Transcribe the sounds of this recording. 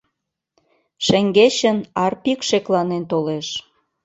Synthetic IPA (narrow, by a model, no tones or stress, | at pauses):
ʃə̆ŋɡeɕə̆nɑrpikʃeklɑnent̪oleʃ